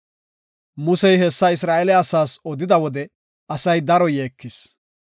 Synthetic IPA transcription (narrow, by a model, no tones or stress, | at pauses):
mʊsɛjhɛsːɐɪs̬ɾaːʔɛlɛɐsaːsɔd̪ɪd̪ɐwɔd̪ɛ | ɐsɐjd̪ɐɾɔjeːkːɪs